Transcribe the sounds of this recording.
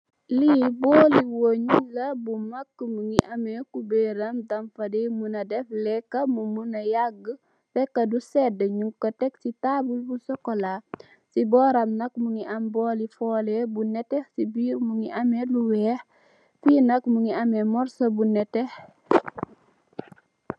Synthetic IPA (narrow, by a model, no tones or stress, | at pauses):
libɔːliwoɲulɐbumɐkːmuŋiʔɐmɛkubeɾɐmdɐmfɐdimunɐdɛflɛkːɐmumunɐjaɡə | fɛkːɐdusɛdəɲuŋkɐtɛk̚sitabulbusɔkːɔla | sibɔːɾɐmnɐk̚muŋiʔɐmbɔːlifɔːlɛbunɛtɛhsibiːɾmuŋiʔɐmɛluwɛːh | fiːnɐkmuŋiɐmɛmɔɾsɐbunɛtɛh